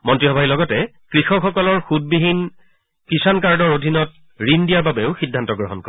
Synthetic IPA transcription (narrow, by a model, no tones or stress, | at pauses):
mɔntɹiɦɔbʱailɔɡɔtɛ | kɹixɔxɔkɔlɔɹxud̚biɦin | kisankaɹdɔɹodʱinɔt | ɹindijaɹbabeʊxidʱːantɔɡɹɔɦɔnkɔ